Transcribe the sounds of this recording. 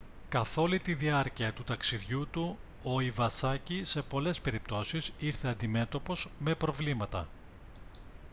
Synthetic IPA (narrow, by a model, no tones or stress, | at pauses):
kɐθo̞lit̪iðiɐɾciɐt̪ut̪ɐksiðʝut̪u | o̞ivɐsɐcise̞po̞le̞spe̞ɾip̚t̪o̞sisiɾθe̞ɐnd̪ime̞t̪o̞po̞zme̞pɾo̞vlimɐt̪ɐ̰